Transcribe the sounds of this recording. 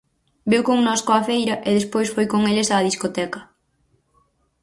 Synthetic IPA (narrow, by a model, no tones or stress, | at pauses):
bewkoŋnɔskoafejɾɐʔɪðespojsfojkoŋelesaːðiskot̪ɛkɐ